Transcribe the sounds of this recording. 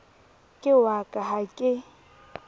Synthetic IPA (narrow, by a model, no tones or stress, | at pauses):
kʼɪwakʼaɦakʼɪ